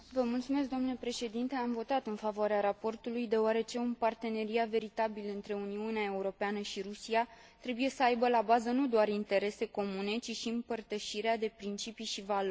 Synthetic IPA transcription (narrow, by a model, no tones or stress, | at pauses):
vəmult̪sume̞s̬k̚d̪omnulepɾe̞ʃe̞d̪int̪e̞amvo̞t̪at̪ɨnfavoaɾeaɾapo̞rt̪ulujd̪e̞oaɾe̞t͡ʃe̞umpart̪e̞ne̞ɾiat̪ve̞ɾit̪abilɨnt̪ɾe̞uniuneae̞uɾo̞peanəʃiɾusia | t̪ɾe̞buje̞səajbəlabazənud̪oarint̪e̞ɾe̞se̞ko̞mune̞t͡ʃiʃiɨmpərt̪əʃiɾead̪e̞pɾint͡ʃipiʃivalorʲ